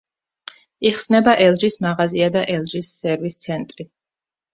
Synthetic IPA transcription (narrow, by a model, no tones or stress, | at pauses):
iχsnɛbaʔɛlˠd͡ʒismaʁaziad̪aʔɛlˠd͡ʒisːɛɾvist̪sʰɛnt̪ʼɾi